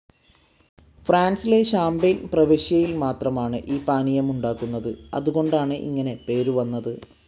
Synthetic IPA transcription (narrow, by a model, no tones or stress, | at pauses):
fraːnsile̞ɕaːmbenprɐʋeɕjɐjilmaːt̪rɐmaːɳɨʔiːpaːnijɐmuɳɖaːkːunːɐðɨɐ̰ðuɣo̞ɳɖaːɳɨʔḭŋːɐne̞pe̞ːɾuʋɐnːɐðɨ